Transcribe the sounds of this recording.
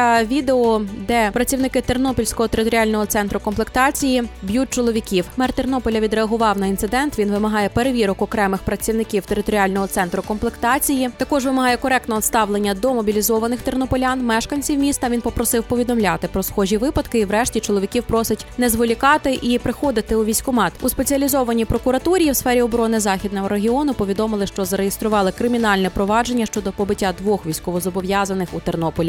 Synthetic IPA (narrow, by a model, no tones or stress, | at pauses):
ʋʲid̪eɔd̪ɛpɾɐt͡sʲiwnɪkɪt̪ernɔpʲilʲsʲkɔɦɔt̪eɾɪt̪ɔɾʲialʲnɔɦɔt̪sɛnt̪ɾʊkɔmplˠekt̪ɑt͡sʲijibʲjut̚ʲt͡ʃɔlˠɔʋʲikʲiwmɛrt̪ernɔpɔlʲɐʋʲid̪ɾeɐɦʊʋɑwnɐint̪sɪd̪ɛnt̪ʋʲinʋɪmɐɦɑjɛpeɾeʋʲiɾɔkɔkɾɛmɪxpɾɐt͡sʲiwnɪkʲiwt̪eɾɪt̪ɔɾʲiɑlʲnɔɦɔt̪sɛnt̪ɾʊkɔmplˠekt̪ɑt͡sʲijit̪ɐkɔʒʋɪmɐɦɑjɛkɔɾɛk̚t̪nɛɔt̪st̪ɑʋlˠenʲːɐd̪ɔmɔbʲilʲizɔʋɐnɪxt̪ernɔpɔlʲanmɛʃkɐnʲt͡sʲiwmʲist̪ɐʋʲinpɔpɾɔsɪwpɔʋʲid̪ɔmlʲat̪ɪpɾɔsxɔʒʲiʋɪpɐd̪kɪiwɾɛʃtʲit͡ʃɔlˠɔʋʲikʲiwpɾɔsʲɪtʲnɛzʋɔlʲikɑt̪ɪʔipɾɪxɔd̪ɪt̪ɪuʋʲijsʲkʊmɑt̪ʲuspet͡sʲiɐlʲizɔʋɐnʲipɾɔkʊɾɐt̪uɾʲijiwsfɛɾʲiɔbɾɔnɪzɑxʲid̪nɔɦɔɾeɦʲiɔnʊpɔʋʲid̪ɔmɪlˠɪʃt͡ʃɔzɐɾejest̪ɾʊʋɑlˠɪkɾɪmʲinɑlʲnɛpɾɔʋɑd͡ʒe̞nʲːɐʃt͡ʃɔd̪ɔpɔbɪtʲːad̪ʋɔxʋʲijsʲkɔʋɔzɔbɔʋjazɐnɪxut̪ernɔpɔlʲi